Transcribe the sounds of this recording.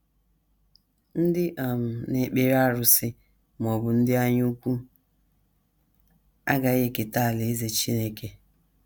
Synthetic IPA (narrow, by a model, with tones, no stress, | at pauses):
n̩˦dɪ˦ʔa˨m̩˨ne˨˦k͡pe˦ɾa˦ɾʊ˨sɪ˦ | m˨ɔ˨bʊ˨n̩˦dɪ˦a˦ɲʊ˦u˦kʷu˦ | a̰˦ɡa˨ɣe˦˨kɪ˨ta˦˨le˨e˦ze˨t͡ʃi˦ne˦ke˨